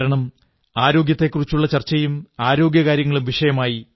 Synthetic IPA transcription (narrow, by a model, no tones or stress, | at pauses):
ɾɐɳɐm | aːɾo̞ːɡjɐt̪ːe̞kːurit͡ɕːuɭːɐt͡ɕɐrt͡ɕːɐjumaːɾo̞ːɡjɐkaːɾjɐŋːɐɭumʋiʂɐjɐmaːji